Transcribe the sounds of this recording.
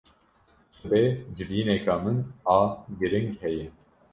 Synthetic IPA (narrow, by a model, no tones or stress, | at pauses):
sɨbed͡ʒɨviːnɛkʰamɨnaːɡɨɾɨŋkhɛjɪ